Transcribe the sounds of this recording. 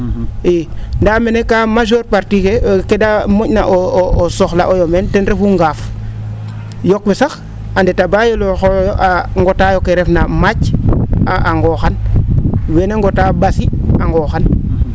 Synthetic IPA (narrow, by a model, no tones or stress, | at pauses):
endamenekamaʒoɾpaɾtikekedamocna̰ʔoosoxla̰ʔojomentenɾefuŋɡaf | jok̚wesax | andetabajoloxojoʔaŋɡotajokeɾefnamaɟaaŋɡoxan | weneŋɡotabasiaŋɡoxan